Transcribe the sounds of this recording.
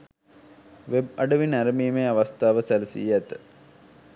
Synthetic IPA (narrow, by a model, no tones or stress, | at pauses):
ʋeb̚ɐɖəʋinæɾəmiːmeaʋast̪aːʋəsælsḭːæt̪ə